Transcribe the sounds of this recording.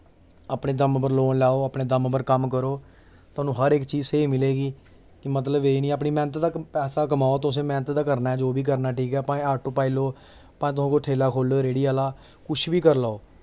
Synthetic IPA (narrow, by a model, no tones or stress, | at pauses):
aːpneːd̪əmbəɾloːnlaːoːəpneːd̪əmbəɾkəmkəɾoː | t̪ʊaːnũːɦəɾɪkt͡ʃiːzseːiːmɪleːɡiː | kɪmət̪ləbeːinĩːəp̬niːmɛ̃ːnət̪d̪aːpɛːsaːk̬əmaːoːt̪ʊs̬ẽːmɛːnət̪d̪aːkəɾnaːɛd͡ʒoːbʱiːk̬əɾnaːʈʰiːkɛːpãːaːɾʈoːpaːiloː | pãːt̪ʊsãːkoʈʰeːlaːkʰoːloːɾeːɽiːaːlaː | kʊt͡ʃʰbiːkəɾlaːoː